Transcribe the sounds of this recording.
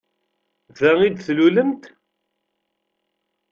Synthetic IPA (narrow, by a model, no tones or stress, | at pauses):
ðæid̪θluləmt̪